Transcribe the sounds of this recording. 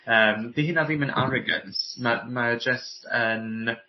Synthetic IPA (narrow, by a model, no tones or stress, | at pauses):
əːmdiɦinaðimənʔa̰ɾɔɡə̰nsmamad͡ʒəstʰən